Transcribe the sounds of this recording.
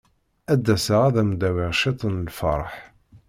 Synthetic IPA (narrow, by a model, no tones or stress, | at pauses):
æd̪ːæsəʁæðæmd̪æwɪʁʃit̪ˤənlfɑ̰ɾˤħ